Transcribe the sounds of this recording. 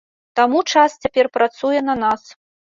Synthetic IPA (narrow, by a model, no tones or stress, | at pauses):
t̪amut͡ʂast͡sʲapʲɛrpɾat̪sujɛnɐnas